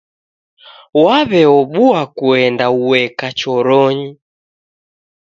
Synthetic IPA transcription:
waβɛɔɓuakuɛndauwɛkat͡ʃɔɾɔɲi

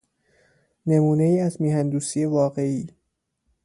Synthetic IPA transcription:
ne̞muːne̞jiːæzmiːhænd̪uːsije̞vɒːɢe̞iː

